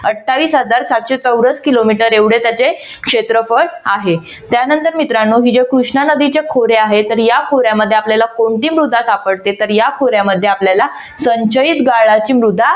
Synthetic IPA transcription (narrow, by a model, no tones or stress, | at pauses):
əʈʰːaʋiːsɦəd͡zaɾsat̪ɕet͡səwɾət͡skilomiʈəɾeʋɽet̪jat͡se | kʂet̪ɾəfəɭaɦe | t̪janənt̪əɾmit̪ɾanːoɦiːd͡ʑekɾuʂɳanəd̪it͡ɕekʰoɾeaɦet̪əɾjakʰoɾjaməd̪ʱːeapljalakoɳʈiːmɾud̪ʱːasapəɽt̪et̪əɾjakʰoɾjaməd̪ʱːjeapljala | səɲt͡ɕəit̪ɡaɭat͡ɕiːmɾud̪ʱːa